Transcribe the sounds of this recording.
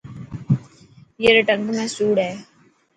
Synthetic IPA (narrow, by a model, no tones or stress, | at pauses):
jeɾɪʈə̃ŋkmẽsuːɽɦɛː